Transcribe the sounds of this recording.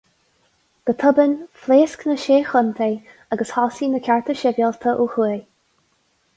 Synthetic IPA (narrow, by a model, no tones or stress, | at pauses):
ɡ̥ət̪ʰʊbənfleːsknəʃeːxʊnt̪ʰeː | aɡəshɔːsiːnəkʲʰaɹt̪ʰəʃɛvjɔlt̪ʰəʔuxu